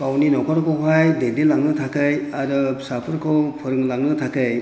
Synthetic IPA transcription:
pawninɔkɔɾkʰɔwɦajdelilaŋnɯtʰakɯjaɾɯsapʰɯɾkʰɔwpʰɯɾɯŋlaŋnɯtʰakɯj

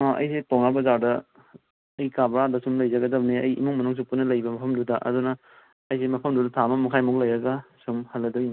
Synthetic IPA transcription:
aʔɐ̰jsetoŋnabɐzawdɐ | ɐjkabɾadɐsumlɐjzɐɡɐdɐbniɐjḭmuŋmɐnuŋs̬upunːɐlɐjbɐmɐpʰɐmdudaʔɐ̰dunɐː | jsemɐpʰɐmdudɐtʰamɐmukʰajmuk̚lɐjɾɐɡasumhɐlːɐdɐbin

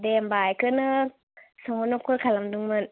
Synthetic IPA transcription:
dembajkɯnɯ | sɔɦonokʰulkʰalamduŋmɯn

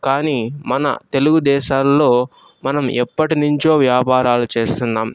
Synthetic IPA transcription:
kaːniːmɐnɐ̰t̪e̞luɡud̪ɛːʃaːlːo̞ː | mɐnɐmɛpːɐʈinuɲt͡ʃo̞ːʋjaːpaːɾaːlut͡ʃe̞ːst̪und̪aːm

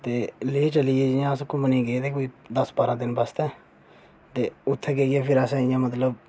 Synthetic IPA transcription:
t̪eːleːt͡ʃəlieːd͡ʒɪjãːskʊ̃mənĩːɡeːt̪eːkoːiːd̪əsbaːɾãːd̪ɪnbəst̪ɛ̃ː | t̪eːʊt̪ʰːɛːkeːijeːpʰɪɾasɛ̃ːɪjãːmət̪̬ləb

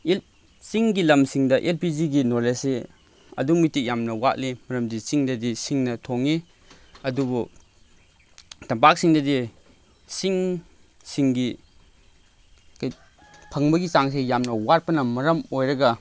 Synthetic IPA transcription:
el | siŋɡilɐmsiŋdɐʔelpiziɡinolese | ɐ̰dumitik̚jamnɐwat̚limɐɾɐmdisiŋdɐdisiŋnɐtʰoŋi | ɐdubu | tɐmpak̚siŋdɐdi | siŋ | siŋɡi | kaj | pʰɐŋbɐɡit͡ʃaŋs̬ejamnɐwat̚pɐnɐmɐɾɐmojɾɐɡɐ

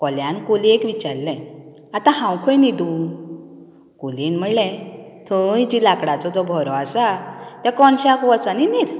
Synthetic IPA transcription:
kɔljãnkoliekʋit͡ɕaɾlɛ̃ | at̪ãhãwkʰə̃jnid̪un | kolinm̤əɽlɛ̃ | t̪ʰəjd͡ʑilakɽat͡sɔd͡zɔbʱɔɾɔasat̪ɛ̃kɔnɕakʋɔt͡saninid̪

